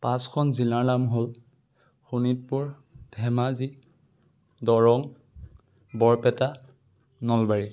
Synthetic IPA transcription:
pãskʰɔnzilaɹlamɦol | xunit̚pʊɹ | d̥ʱɛmazi | dɔɹɔŋ | bɔɹpɛta | nɔlbaɹi

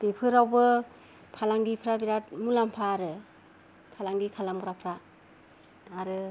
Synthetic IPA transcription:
bepʰɯɾawbɯ | pʰalaŋɡipʰɾabiɾat̚mulampʰaːɾɯ | pʰalaŋɡikʰalamuɾapʰɾa | ɾɯ

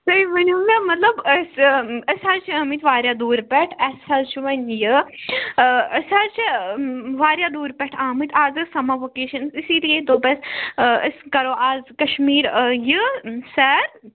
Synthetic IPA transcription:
sɐiʋɐnʲomɐmɐt̪lɐbəsəsaːɾt͡ʃʰiɐmit̪ʋaːɾjaːd̪uːɾpɛʈʰɐsɐlt͡ʃʰuʋɐnjɨ | əsaːɾt͡ʃʰi | ʋaːɾjaːd̪uːɾpɛʈʰaːmit̪ʰaːzɨsɐmaʋokeːʃɐnsisiːlijẽd̪oːpɛsəskɐɾoːʔaːzkɐʃmiːɾjɨsɐːɾ

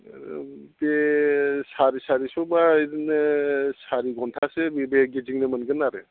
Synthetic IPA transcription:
be | saɾisaɾisɔbajɾinɯsaɾiɡɔntʰasebibeɡeziŋnɯmɯnɡɯnːaɾe

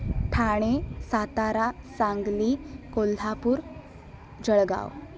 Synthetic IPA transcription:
ʈʰaɽ̃esat̪aɾasaŋɡlikolːʱapuːɾ | d͡ʑəɭɡa̰w

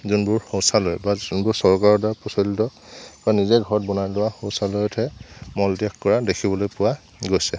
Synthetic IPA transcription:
zunbʊɹxowsalojbazunbʊɹsɔɹkaɹɔdapɔsɔltɔb̥anizɛɡʱɔɹɔt̚bɔnajlʊwaxõwsalojɔtʰɛmɔldjakkɔɹadekʰibɔlojpʊwa | ɡojsɛ

